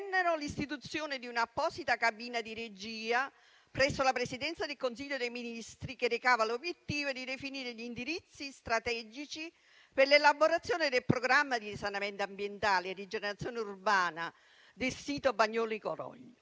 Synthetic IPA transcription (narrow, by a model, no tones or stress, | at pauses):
nːenʊlist̪it̪ut̪sːjoːnɪd̪iunapːɔːsit̪akabiːnad̪iɾed͡ʒiːa | pɾɛsːolapɾesid̪ɛnt̪sad̪elkons̬iʎːod̪ejminist̪ɾikerekaːvalobjet̪ːiːvod̪id̪efiniːɾeʎind̪iɾit̪sːist̪ɾat̪ɛːd͡ʒit͡ʃi | perlelaboɾat̪sːjoːnɪd̪elpɾoɡɾamːad̪isanament̪ambjent̪aːlied̪ːid͡ʒeneɾat̪sːjoːneurbaːna | d̪elsiːt̪obaɲːɔːlikoɾɔ̰ʎ